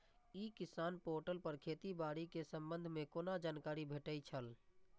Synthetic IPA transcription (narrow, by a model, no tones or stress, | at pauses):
ikɪsaːnpoːɾʈəlpəɾkʰeːt̪ibaːɽikesəmbənd̪ʱmekoːnad͡ʒaːnkaːɾibʱeːʈəjt͡ʃʰəl